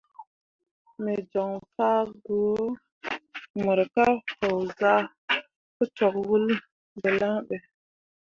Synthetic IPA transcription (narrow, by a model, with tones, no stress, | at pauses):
me˨d͡ʒo˨ŋfa˦ɡu˨o˦ | mu˨ɾka˦ho˨wza˦ | kə˦to˨k̚wu˦l | be˨la˦ŋɗe˨